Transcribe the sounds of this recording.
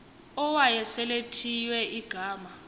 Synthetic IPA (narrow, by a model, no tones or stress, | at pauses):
ɔwajɛsɛletʰijwɛʔiɡ̥ʱaːma